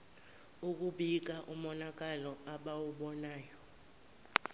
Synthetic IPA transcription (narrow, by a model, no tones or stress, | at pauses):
uk̬uɓik̬aʔumɔnak̬ʼalɔaɓawuɓɔnaːjɔ